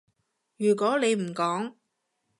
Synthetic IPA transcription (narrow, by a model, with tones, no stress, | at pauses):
jyː˨˩k̬ʷɔː˨˥le˨˧jm̩˨˩kɔː˨˥ŋ